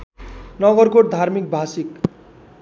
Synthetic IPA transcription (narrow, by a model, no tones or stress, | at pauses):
nʌɡʌrkoʈ̚d̪ʱarmik̚bʱasik